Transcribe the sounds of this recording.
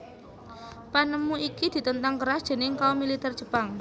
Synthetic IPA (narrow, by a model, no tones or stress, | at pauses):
panəmuikid̪̥i̤t̪ənt̪aŋkəɾasd̥ʒ̥eə̤nɪŋkaomilit̪ɛr̥ʒ̥ə̤b̥aŋ